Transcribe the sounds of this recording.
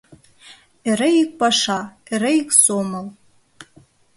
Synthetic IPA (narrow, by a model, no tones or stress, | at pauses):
eɾɘik̚pɑʃɑĕɾɘiksomɤ̆lˠ